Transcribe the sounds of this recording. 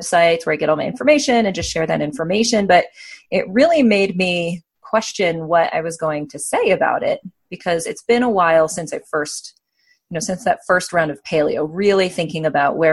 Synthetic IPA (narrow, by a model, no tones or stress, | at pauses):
saɪtswə˞aɪɡɛɾ̃n̩maɪɪ̃nfə˞meɪʃɨ̃nɨ̃nd͡ʒʌstʃɛɹðɨ̰ɾɪ̃ɱfə˞meɪʃɨ̃nbʌɾɪʔ̚ɹɪlˠimeɪd̚mi | kʰw̥ɛst͡ʃɨ̃nwʌɾa̰ɪwʌzɡoʊɪ̃ŋtʰɨseɪɨba̰ʊɾɪ̰t̚b̥ɨkʰʌzɨtsb̥ɨ̃ñəwaɪlˠsɪ̃nsaɪfɜ˞st̚ | jɨnoʊsɪ̃nsðɨtfɜ˞st̚ɹãʊ̃ndʌv̥pʰeɪlˠḭoʊɹɪlˠiθɪ̃ŋkɪ̃ŋɨbaʊʔ̚wə